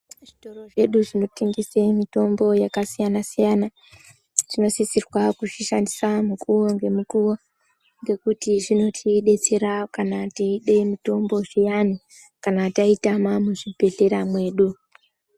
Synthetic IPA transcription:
ʐito̞ro̞ʐe̞ɗuʐino̞teŋɡisemito̞mbo̞jakasijanasijana | ʐ̥ino̞sisirwakuʐiʃandisamukuwoŋɡe̞mukuwo̞ | ŋɡe̞kutiʐino̞tʰiɗe̞t͡se̞ɾakanatiiɗe̞mito̞mbo̞ʐijani | kanataitamamuʐibʱe̞ɬe̞ɾamwe̞ːɗu

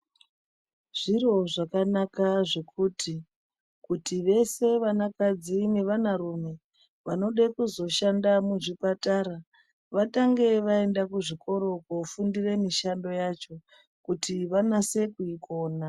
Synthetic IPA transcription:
ʐ̥iro̞ʐakanakaʐe̞kʰuːti | kutiʋe̞se̞ʋanakad͡zine̞ʋanaɾume̞ | ʋano̞ɗekuzo̞ʃandamuʐipataɾa | ʋataŋɡe̞ʋae̞ndakuʐikʰo̞ɾo̞kofundire̞miʃando̞jat͡ʃo̞ | kutʰiʋanase̞kuiko̞ːna

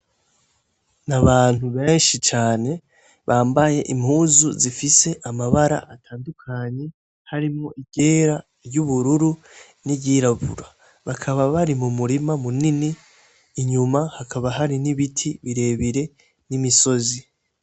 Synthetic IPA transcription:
naβaːn̥huβe̞ːnʃit͡ʃaːne̞ | βaːmbaje̞ʔim̥huːzuzifise̞ʔamaβaɾa̰ʔatʰaːndukʰaɲe̞ | haɾimŋoʔiɡe̞ːɾa | ɾjuβuɾuɾu | niɟiːɾaβṵɾa | βakʰaβaβaɾimumuɾimamuniniː | ɲumahakʰaβaɦaɾiniβitʰiβiɾe̞βiɾe̞ | nimiso̞zi

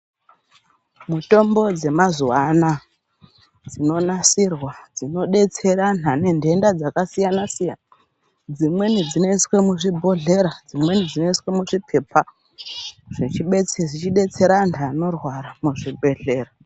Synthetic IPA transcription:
muto̞mbo̞d͡ze̞mazuwana | d͡zino̞nasirwad͡zino̞ɗe̞t͡se̞ɾanane̞ndʱe̞ndad͡zakasijanasija̰na | d͡zimwe̞nid͡zino̞iswe̞muʐibʱo̞ɮe̞ɾad͡zimwe̞nid͡zino̞iswemuʐipʰe̞pʰa | ʐ̥it͡ʃiɓet͡seʐit͡ʃiɗe̞t͡se̞ɾanano̞rwaɾamuʐiɓe̞ɮe̞ːra

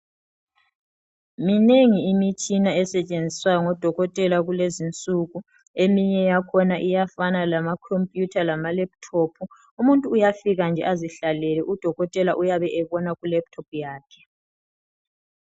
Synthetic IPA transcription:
mineŋiimit͡ʃʼinaɛsɛt͡ʃʼend͡zʱiswajɔŋɔd̥ʱɔɣɔtʼɛlaɣulezint͡sʼuɣu | emiɲɛjakʰɔnaʔijafanalamakʰompʼjutʰalamalɛp̚tʰɔpʰu | umuntʼuːjafiɣand͡ʒʱɛ̰ʔaziɬalɛlɛʔud̥ʱɔɣɔtʼɛlaʔujaβɛʔɛβɔnaɣulɛp̚tʰɔp̚ʰjaːkʰɛ̥

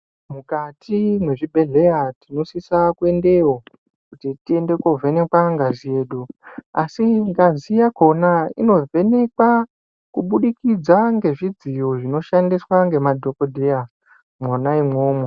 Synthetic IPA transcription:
mukatʰimwe̞ʐibʱe̞ɮe̞jatino̞sisakue̞nde̞ɦo̞ | kkutitie̞nde̞kovʱene̞kwaŋɡazije̞ːɗuasiŋɡazijakʰo̞naḭno̞ve̞ne̞kwa | kuɓuɗikid͡zaŋɡe̞ʐid͡zijoʐino̞ʃandiswaŋɡe̞madʱo̞kodʱeja | mwonaimwo̞ːmwe

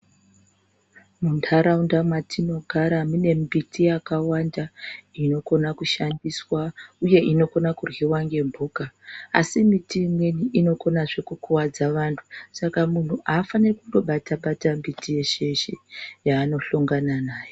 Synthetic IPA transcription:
muntʰaɾaundamwatʰino̞ɡʱaɾamune̞mbitijakawandaino̞ko̞nakuʃandiswauje̞ʔino̞ko̞nakurwiwaŋɡe̞mbʱuːka̰ːsimitiːmwe̞niʔino̞ko̞naʐe̞kukuwad͡zaʋantʰu̥sakamun̤uʔaːfanirekundo̞ɓataɓatambitʰije̞ʃe̞ʃejaːno̞ɬoŋɡananaːjo

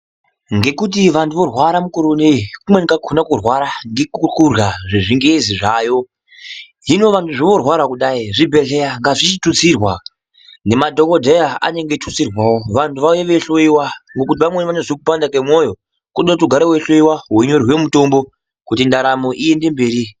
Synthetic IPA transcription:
ŋɡe̞kut̬iʋantuʋo̞rwaɾamukoɾonekumwenkakʰonakurwaɾaŋɡekuurjaʐiʐiŋɡeziʐaːjo̞ | ɦino̞ʋantuʐiʋo̞rwaɾakuɗaiʐibʱe̞ɬe̞jaŋɡaʐit͡ʃitut͡sirwa | ne̞madʱo̞ko̞dʱejaa̰ne̞ŋɡetʰut͡sirwawoʋantʰuʋajeʋeɬoiwaŋɡo̞kut̬iʋamwenʋanoʐikupandakemwo̞jo̞ | kuɗot̬uɡʱaɾoweɬo̞iwaɦwoɲo̞rwe̞muto̞mbo̞ | kutindaɾamo̞ʔie̞nde̞mbeːɾi

